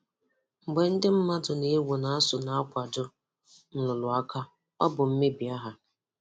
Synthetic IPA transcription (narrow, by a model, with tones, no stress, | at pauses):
ŋ͡m̩˨ɡ͡be˨n̩˦dɪ˦m̩˦ma˦dʊ˨ne˨˦wo˨na˨a˦sʊ˨na˨a˦kʷa˨dʊ˦ | n̩˦lʊ˨lʊ˨a˦ka˦ | ɔ˦bʊ˨m̩˦me˦bi˨a˦ɦa˨